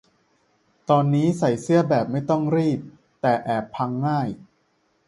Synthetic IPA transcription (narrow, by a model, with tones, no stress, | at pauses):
t̪ɔː˧nːiː˦˥sa˨˩jsɯ˦˥˩ɐbɛː˨˩p̚ma˥˩jt̪ɔ˥˩ŋɾiː˥˩p̚ | t̪ɛː˨˩ʔɛː˨˩pʰːa˧ŋːaː˥˩j